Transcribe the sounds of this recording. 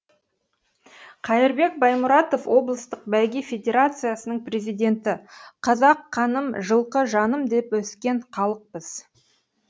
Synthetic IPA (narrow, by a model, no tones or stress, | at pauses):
qʰɑjɪɾbe̞k̚bɑjmʊɾɑt̪o̞fwʔo̞blˠəst̪əq̚bælɡʲefʲe̞dʲe̞ɾat̪sɨjasənəɴprʲe̞zijd̪ʲe̞nt̪ɪqʰɑzɑqʰːɑnəmʒəlˠqəʒɑnəmd̪e̞pwɵskʲe̞ɴχʰɑlˠəq̚pəz̥